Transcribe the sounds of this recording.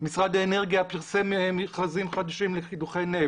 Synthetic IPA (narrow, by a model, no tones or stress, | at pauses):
misʁad̪aeneʁɡijapiʁsememiχazimχad̪aʃimleχid̪uχejne